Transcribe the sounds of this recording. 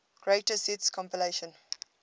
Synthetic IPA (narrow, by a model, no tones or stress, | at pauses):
ɡ̥ɹeɪtəsitskʰɔ̃mpileʃə̃n